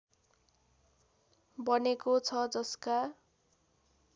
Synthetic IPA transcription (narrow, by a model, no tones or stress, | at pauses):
bʌnekot͡sʰʌd͡zʌska